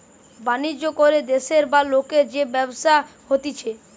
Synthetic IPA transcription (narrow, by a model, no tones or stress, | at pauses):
banid͡ʑːokoɾed̪eʃeɾbalokeɾd͡ʑebɛboʃahot̪it͡ɕʰe